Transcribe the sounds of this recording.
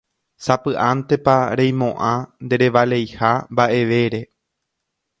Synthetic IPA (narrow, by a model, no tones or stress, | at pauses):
sapɨʔãnt̪e̞paɾẽj̃mõ̞ʔãnd̪e̞ɾe̞ʋale̞jhambaʔe̞ʋe̞ɾe̞